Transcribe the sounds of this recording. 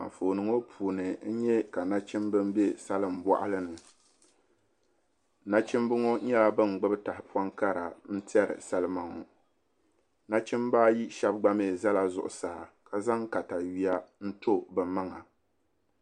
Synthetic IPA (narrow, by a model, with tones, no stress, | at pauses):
a̰˨ɱ˨fo˨nɨ˨˦ŋo˦pʰuː˨nɨ˨n̩˦ɲɛ˦ka˨na˦t͡ʃɪ˦mbɨ˦m˦be˦sa˦lɨ˦m˨ba̰˦ʔa˦lɨ˦nɨ˨ | na˦t͡ʃɪ˦mbɨ˦ŋo˦ɲɛ˦la˦bɨ˦ŋ˨ɡ͡bɨ˦bɨ˦ta˨hɪ˨pwɔ˦ŋka˦ɾa˨n̩˦ti˦ɛ˦ɾɨ̰˨sa˦lɨ˦ma˨ŋɔ˨ | na˦t͡ʃɪ˦mbaː˦ji˦ʃa˦b̚ɡ͡ba˦me˦˨za˦la˨zʊ̰˨ʔʊ˨sa˨a˨ka˨za˦ŋka˨ta˨ɥi˦a˦n̩˦to˦bɨ˨ma˦ŋa˨